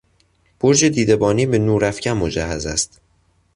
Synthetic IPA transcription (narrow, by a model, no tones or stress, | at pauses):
b̥oɾd͡ʒed̪iːd̪e̞bɒːniːbe̞nuːɾæfcʰæmmod͡ʒæhæzæ̰st̪